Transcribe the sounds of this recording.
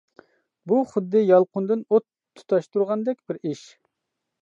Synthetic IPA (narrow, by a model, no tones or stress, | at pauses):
buχʊd̪ːɨjɑlˠqʊnd̪ɨnot̪ʰːu̥t̪ʰɑʃt̪uɾʁɑnd̪ɛkʲbɪɾiʃ